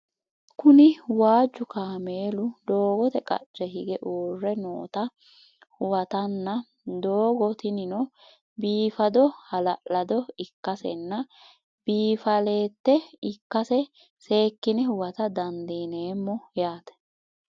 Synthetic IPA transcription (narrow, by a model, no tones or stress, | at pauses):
kʊnɪwaːd͡ʒːʊkaːmeːlʊd̪o̞ːɡɔt̪ɛkʼɐ̰t͡ʃːɛɦɪɡɛʔuːrːɛnoːt̪ɐ | hʊwɐt̪ɐnːɐ | d̪oːɡɔt̪ɪnɪnɔ | biːfɐd̪ɔhɐlɐʔlɐd̪ɔɪkːɐsɛ̰nːɐ | b̥iːfɐle̞ːt̪ːɛɪkːɐsɛ | se̞ːkːɪnɛhʊwɐt̪ɐd̪ɐnd̪iːneːmːɔjaːt̪ɛ̥